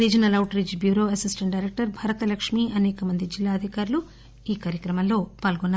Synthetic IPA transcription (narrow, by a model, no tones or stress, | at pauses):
ɾid͡ʒɐnɐlɐwʈɾid͡ʒbjuːɾo̞ːɐsisʈeɳʈɖɐjɾek̚ʈɐɾbʱɐːɾɐt̪ɐlɐkʂmiːʔɐnɛːkɐmɐnd̪id͡ʒilːaːɐd̪ʱikaːɾulu | iːkaːɾjɐkɾɐmɐmllo̞ːpaːlɡonːa